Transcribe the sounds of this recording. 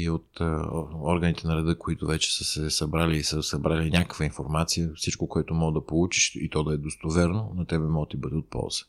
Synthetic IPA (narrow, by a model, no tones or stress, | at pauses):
iot̪ | ɔɾɡənit̪ɛnɐɾɛd̪ɤkoit̪ʊvɛt͡ʃɛ̥səsɛsɐbɾaliːsəsɐbɾalinʲakəkvɐinfoɾmat̪sijəfsit͡ʃkokoɛt̪ʊmɔɡəd̪ɐpolˠut͡ʃiʃit̪ɔd̪ɐɛd̪ost̪ovɛɾnonɐt̪ɛbɛmɔɡət̪ibɤd̪ɛot̪̚pɔ̰lˠz̥ə̥